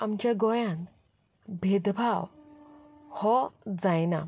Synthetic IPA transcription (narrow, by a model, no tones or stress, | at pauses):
amt͡ɕjaɡɔjãn | bʱed̪bʱaw | hɔd͡zajna̰